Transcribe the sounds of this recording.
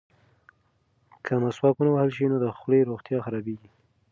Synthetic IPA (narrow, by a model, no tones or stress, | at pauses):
kʰəmaswɑkunawahəlʃinod̪əxɽeɾoɣt̪jɑxaɾɑbeɡi